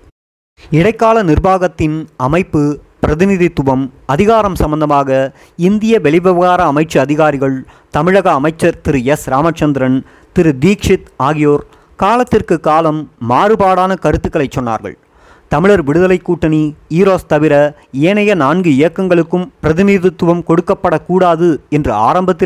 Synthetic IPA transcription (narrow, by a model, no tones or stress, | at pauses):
ɪɽɐɪkːaːlɐnɪrbaːɣɐt̪ːɪnɐmɐɪpːɯ | pɪɾɐðɪnɪðit̪ːʊbɐmɐðɪɣaːɾɐmsɐmbɐnd̪ɐmaːɣɐ | ɪnd̪ɪjɐʋɛɭɪʋɐʋɐɣaːɾɐːmɐɪt͡ʃːɯɐðɪɣaːɾɪɣɐɭ | t̪ɐmɪɻɐɣɐːmɐɪt͡ʃːɐɾt̪ɪɾɯɛsɾaːmɐt͡ʃːɐnd̪ɪɾɐn | t̪ɪɾɯd̪iːkʂɪt̪aːɣɪjoːɾ | kaːlɐt̪ːɪrkɯkːaːlɐmːaːɾɯpaːɽaːnɐkɐɾɯt̪ːɯkːɐɭɐɪt͡ʃːɔnːa̰ːɾɣɐ̰ɭ | t̪ɐmɪɻɐɾʋɪɽɯðɐlɐɪkːuːʈːɐniiːɾoːst̪ɐʋɪɾɐ | eːnɐjɐnaːnɡɯɪjɐkːɐŋɡɐɭɯkːɯmpɪɾɐðɪnɪðit̪ːʊʋɐmkɔɽɯkːɐpːɐɽɐkːuːɽaːðɯɛndrɯa̰ːɾɐmbɐt̪ːɪ